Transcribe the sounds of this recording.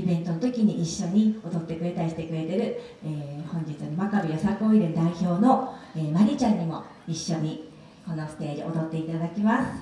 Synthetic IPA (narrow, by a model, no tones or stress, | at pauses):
ibẽ̞nt̪o̞not̪o̞kʲiɲ̟iiɕːo̞ɲ̟io̞d̪o̞t̪ːe̞kɯɾe̞t̪aɾʲiɕi̥t̪e̞kɯ̟ɾe̞t̪e̞ɾɯ̟ | eːhõ̞ɲ̟d͡ʑit͡sɨnomakabɯjosakɯoiɾend̪aiço̞ːno̞eːmaɾʲit͡ɕãɲ̟ːimo̞ | iɕːo̞ɲ̟i | ko̞no̞sɨ̥t̪e̞ːd͡ʑiʔo̞d̪o̞t̪ːe̞it̪ad̪akʲimasɨ̥